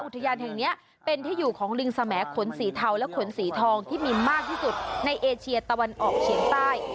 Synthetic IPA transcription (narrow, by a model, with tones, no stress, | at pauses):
ʔu˨˩t̪ʰːa˧jaː˧nɦɛ˨˩ŋni˦˥ɐ | pe˧nt̪ʰiː˥˩juː˨˩kʰɔː˩˦ŋɾɯ˧ŋsa˧mɛː˩˦kʰo˩˦nsiː˩˦t̪ʰa˧wlɛ˦˥kʰo˩˦nsiː˩˦t̪ʰɔː˧ŋt̪ʰiː˥˩miː˧maː˥˩k̚t̪ʰiː˥˩su˨˩t̪̚na˧jʔeː˧t͡ɕʰi˧ɐt̪a˧wa˧nʔɔː˨˩k̚t͡ɕʰi˩˦ŋt̪aː˥˩j